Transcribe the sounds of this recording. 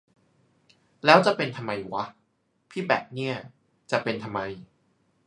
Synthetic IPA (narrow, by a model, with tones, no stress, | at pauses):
lɛː˦˥wt͡ɕa˨˩pe˧nt̪ʰa˧mːa˧ju˨˩wa˦˥ | pʰiː˥˩bɛ̰ː˨˩p̚ni˥˩ɐ | t͡ɕa˨˩pe˧nt̪ʰa˧mːa˧j